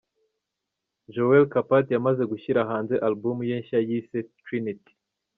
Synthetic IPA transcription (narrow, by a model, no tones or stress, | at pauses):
ʒowelkapatjamaze̞ɡuçiɾaɦaːnze̞ʔalbumujeːɲʃajisetɾiniti̥